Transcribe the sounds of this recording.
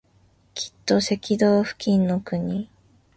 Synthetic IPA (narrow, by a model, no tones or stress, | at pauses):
kʲʰi̥t̪ːo̞se̞kʲid̪oːɸɯ̟̥kʲĩnːo̞kɯ̟ɲ̟i